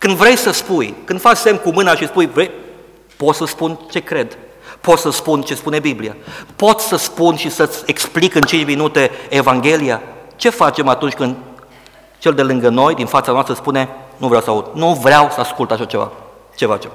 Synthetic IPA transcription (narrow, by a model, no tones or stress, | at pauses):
kɨnd̪vɾe̞jsəspujkɨnd̪fat͡ʃse̞mkumɨnaʃispujvɾej | po̞t̪səspunt͡ʃe̞kɾe̞d̪ | pot̪səspunt͡ʃe̞spune̞biblia̰po̞t̪sʲsəspunʃisət̪sʲe̞ksplikɨnt͡ʃint͡ʃminut̪e̞ːvaŋɡʲe̞liat͡ʃe̞fat͡ʃe̞mat̪unt͡ʃʲkɨnd̪ | t͡ʃe̞ld̪e̞lɨŋɡəno̞jd̪infat̪sanoast̪ɾəspune̞nuvɾawsəaud̪̥̚nuvɾeawsəaskult̪aʃat͡ʃe̞va̰ | t͡ʃe̞fa̰t͡ʃe̞m